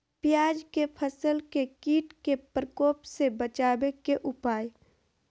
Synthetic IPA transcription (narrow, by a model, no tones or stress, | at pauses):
pjaːd͡ʒkepʰəsəlkekiːʈkepɾəkoːpsebət͡ʃaːbekeʔʊpaːj